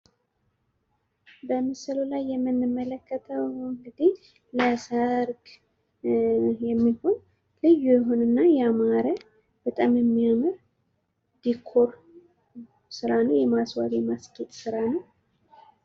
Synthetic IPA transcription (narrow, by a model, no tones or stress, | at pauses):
bəmɨsɨlulajːɛmːɨnːɨmːələkʰːət̪ʰəwɨŋɡɨd̪ih | ləsəɾɡ | jɛmːiho̞n | lɨjːujɛɦunɨnːajɛamaɾə | b̥ət̪ʼamjɛmːiamɨɾ | d̪ikʰːo̞ɾ | sɨɾanəwjɛmaswad̪jɛmasɡʼet̪ʼsɨɾanəw